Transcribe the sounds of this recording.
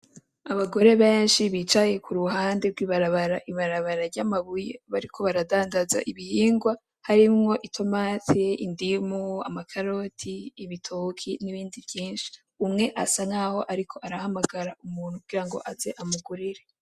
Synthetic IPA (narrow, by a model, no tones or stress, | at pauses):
aβaɡo̞ɾe̞βe̞ːnʃiβit͡ʃaje̞kʰuɾuɦaːndeɾɡwiːβaɾaβaɾaʔiβaɾaβaɾaɾɟamaβujeβaɾikʰo̞βaɾadaːndaza̰ʔiβihiːŋɡwa | haɾimŋo̞ʔitʰo̞maːtiindimua̰makʰaɾo̞tʰiːβitʰokʰiniβiːndivjiːnʃi̥ | umŋe̞ʔasaŋaːho̞ʔaɾikʰo̞ʔaɾahamaɡaɾaumuːnhukuɡ̥iɾaŋɡo̞̰ʔazeʔamuɡuɾiɾe̞